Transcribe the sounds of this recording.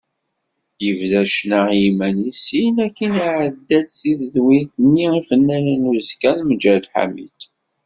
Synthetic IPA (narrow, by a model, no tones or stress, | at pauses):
jəvðæʃnəʁjimænisinækːiniʕəd̪ːæd̪siððwiθnːiifənːænənuzkænməd͡ʒæd̪ħa̰mḭd̪